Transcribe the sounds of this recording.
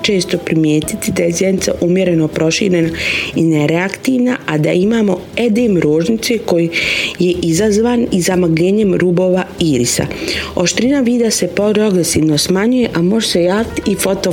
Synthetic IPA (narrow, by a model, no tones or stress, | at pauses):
t͡ʃe̞ːst̪o̞pɾimjeːt̪it̪id̪aje̞zjenit̪saʔumje̞ɾe̞no̞pɾo̞ʃḭːɾe̞naineɾeakt̪iːʋnaʔad̪aimaːmo̞e̞d̪eːmɾoːʒnit̪seko̞jije̞ʔizazʋaːnizamaɡʎeːɲe̞mɾuːbo̞ːʋaiːɾisa̰o̞ʃt̪ɾinaʋiːd̪ase̞poɾo̞ɡɾesiːʋnosmaɲuje̞ʔamo̞ʒese̞jaːʋit̪iifo̞t̪o